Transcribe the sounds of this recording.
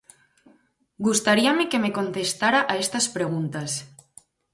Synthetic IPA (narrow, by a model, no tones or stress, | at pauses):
ɡust̪aɾiamekemekont̪est̪aɾaʔaest̪aspɾeɣ̞unt̪as